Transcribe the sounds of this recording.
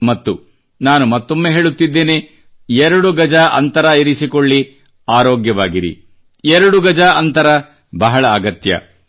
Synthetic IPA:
mɐt̪ːu | naːnumɐt̪ːomːeɦe̞ːɭut̪ːid̪ːe̞ːne | ɛɾɐɽuɡɐd͡ʒaʔɐ̰nt̪ɐɾɐiɾisikoɭːi | aːɾoːɡjɐʋaːɡiɾḭ | ɛɾɐɽuɡɐd͡ʒaɐnt̪ɐɾɐ | bɐɦɐɭɐːɡɐt̪jɐ̰

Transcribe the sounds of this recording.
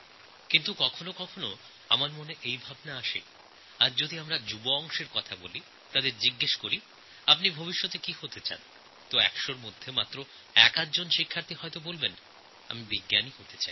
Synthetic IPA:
kint̪ukɔkʰonokɔkʰono | a̰maɾmoneʔejbʱabnaaʃḛ | aɾd͡ʑod̪iamɾad͡ʑuboɔŋʃeɾkɔt̪ʰaboli | t̪ad̪eɾd͡ʑiɡːeʃkoɾi | ap̬nibʱobiʃːot̪ekihot̪et͡ɕa̰n | t̪oɛkʃoɾmod̪ʱːemat̪ːɾo | ɛ̰kat̪̚d͡ʑonʃikʰːaɾt̪ʰiɦɔet̪obolben | a̰mibiɡːanihot̪et͡ɕai

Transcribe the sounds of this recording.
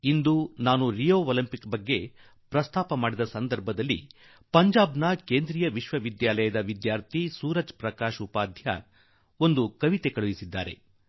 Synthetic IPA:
ind̪unaːnuɾijoːolɐmpikbɐɡːe̞ | pɾɐst̪ʰaːpɐmaːɽid̪ɐsɐnd̪ɐɾbʱɐd̪ɐlːḭ | pɐɲd͡ʒaːbnɐkeːnd̪ɾiːjɐʋiʃʋɐʋid̪jaːlɐjɐd̪ɐʋid̪jaːɾt̪ʰisuːɾɐd͡ʒpɾɐkaːʃupaːd̪ʱjɐ̰ | o̞nd̪ukɐʋit̪e̞kɐɭuʋisid̪ːaːɾe̞̰

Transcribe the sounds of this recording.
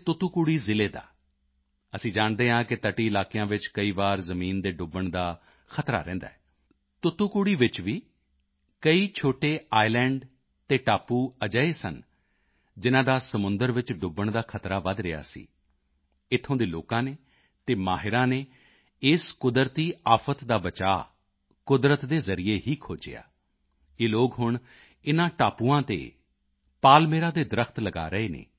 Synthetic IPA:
t̪ʊt̪uːkuːɽiːzɪleːd̪a̰ː | əsĩːd͡ʒaːɳd̪eːɦãːkɪt̪əʈiːɪlaːkijãːʋɪt͡ʃkəiːʋaːɾzəmiːnd̪eːɖʊbəɳd̪aː | kʰət̪ɾa̰ːɾɛ̰̃ːnd̪a̰ːɛː | t̪ʊt̪uːkuːɽiːʋɪt͡ʃʋiː | kəiːt͡ʃʰoːʈeːaːilɛ̃ːɳɖ | t̪eːʈaːpːuːəd͡ʒəːeːsə̰n | d͡ʒɪnãːd̪aːsəmʊ̃nd̪əɾʋɪt͡ʃɖʊbəɳd̪aːkʰət̪ɾaːʋəd̪ɾɪja̰ːsḭː | ɪt̪ʰːõːd̪eːloːkãːneː | t̪eːmaːɦɪɾãːneː | ɪskʊd̪əɾt̪iːaːpʰət̪d̪aːbət͡ʃaː | kʊd̪ɾət̪d̪eːzəɾijeːɦiːkʰoːd͡ʒḛja̰ː | eːloːɡɦʊɳ | ɪnãːʈaːpuːãːt̪ḛː | paːlmeːɾãːd̪eːd̪ɾəkʰt̪ləɡa̰ːɾəeːnḛː

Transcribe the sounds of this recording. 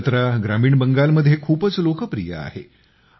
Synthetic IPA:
t̪ɾaɡɾamiːɳbəŋɡalməd̪ʱjekʰuːpət͡slokəpɾḭja̰a̰hḛ

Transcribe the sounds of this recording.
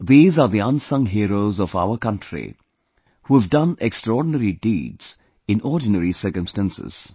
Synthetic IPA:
ðiːzaːɾd̪iãnsʌ̃ŋɦiːɾoʊzɔfa̰ʊəkʌ̃nʈʰɾḭ | huːhəʋdʌ̃nekstɾɔːɖnəɾidḭːdz̥ | ɪ̃nɔːɾɖɪnəɾisəɾkə̃mstæ̃nsɪ̰z̥

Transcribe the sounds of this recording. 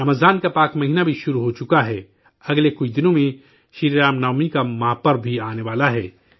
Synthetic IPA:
ɐməzaːnkapaːkmɐɦiːnabʱiʃʊɾuɦot͡ʃʊkaɦɛː | ɐɡlekʊt͡ʃʰd̪ɪnõmẽ | ʃiːɾɾaːmnaːmikamãːpɐɾbʱiaːneʋaːlaɦɛː

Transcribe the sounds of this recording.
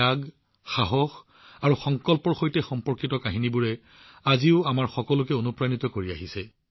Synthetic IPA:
aɡ | xaɦɔx | aɹuxɔŋkɔlpɔɹxojtɛxɔmpɔɹkitɔkaɦinibuɹɛ | aziʊamaɹxɔkɔlʊkɛonupɹanitɔkoɹiaɦisɛ

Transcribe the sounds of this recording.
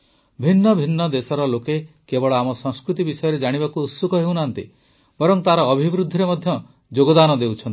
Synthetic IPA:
bʱinːɔbʱinːɔd̪esɔɾɔloke | kebɔɭɔamɔsɔŋskɾut̪ibisɔjɔɾed͡ʒaɽ̃ibakuːt̪sukɔɦewnant̪ḭ | bɔɾɔŋt̪aɾɔːbʱibɾud̪ʱːiɾemɔd̪ʱjɔ | d͡ʒoɡɔd̪anɔd̪ewt͡ʃʰɔnt̪i̥

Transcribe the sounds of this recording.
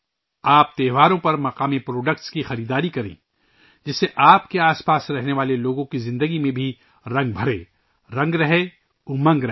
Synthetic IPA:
aːp̚t̪eːɦʋaːɾõpɐɾmɐqaːmepɾoːɖəkʈskixɐɾiːd̪aːɾikɐɾḛ̃ː | d͡ʒɪsːeʔaːpkeaːspaːsɾɛɦneʋaːleloːɡõkizɪ̃nd̪əɡimẽbʱi | ɾɐ̃ŋɡ̚bʱɐɾḛː | ɾɐ̃ŋɡɾɐɦe | ʊmɐ̃ŋɡɾɐ

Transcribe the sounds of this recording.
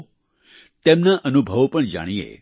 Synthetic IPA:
t̪emnaʔənubʱəʋpəɳd͡ʒa̰ɽ̃iḛ

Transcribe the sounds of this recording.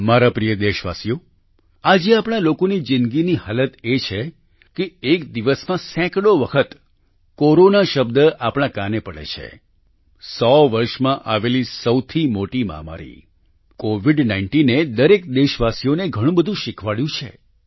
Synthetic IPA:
maɾapɾijəd̪eʃʋa̰sijo | ad͡ʒeapɽ̃alokonid͡ʒɪnɡiniɦalət̪et͡ʃʰe | keekd̪iʋəsmãsɛ̃kɽoʋəkʰət̪ | koɾonaʃəb̚d̪əapɽ̃ãkanepəɭḛt͡ʃʰḛ | sɔʋəɾʃmãʔaʋelisəwt̪ʰimoʈima̰ma̰ɾḭ | koʋiɖnaɪɳʈined̪əɾek̚d̪eʃʋasijoneɡʱəɽ̃ũbəd̪ʱũʃɪkʰʋaɭjũt͡ʃʰḛ

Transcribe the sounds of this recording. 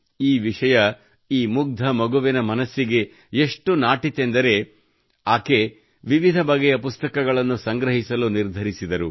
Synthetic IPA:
iːʋiʂɐjɐ | iːmuɡ̚d̪ʱɐmɐɡuʋɛnɐmɐnɐsːiɡe̞ | eʂʈunaːʈit̪e̞nd̪ɐɾe̞ | aːke | ʋiʋid̪ʱɐbɐɡɛjɐpust̪ɐkɐɡɐɭɐnːusɐŋɡɾɐɦisɐluniɾd̪ʱɐɾisid̪ɐɾu

